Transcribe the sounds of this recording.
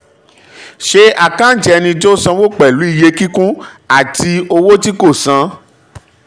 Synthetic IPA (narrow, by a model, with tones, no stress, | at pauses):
ʃe˧a˦˨kã˦d͡ʒɛ˧nĩ˧d͡ʒo˦˨sã˧wo˦˨k͡pɛ˨lu˨˦i˦˨je˧ki˦kũ˦ | a˨ti˧o˧wo˦ti˦ko˦˨sã˧˦